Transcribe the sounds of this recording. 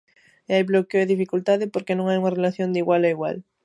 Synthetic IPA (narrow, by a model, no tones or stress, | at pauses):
eajβlokeoeðifikult̪aðɪpoɾkenõŋajuŋɐrelaθjond̪iɣwalaiɣwa̰l